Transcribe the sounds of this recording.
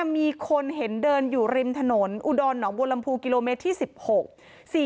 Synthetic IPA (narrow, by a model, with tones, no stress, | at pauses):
a˧miː˧kʰo˧nɦe˩˦ndɤː˧njuː˨˩ɾi˧mt̪ʰa˧no˩˦nʔu˨˩dɔː˧nːɔː˩˦ŋbo˧la˧mpʰuː˧ki˧loː˧meː˦˥t̪ʰːiː˥˩si˨˩p̚ho˨˩k̚ | siː˨˩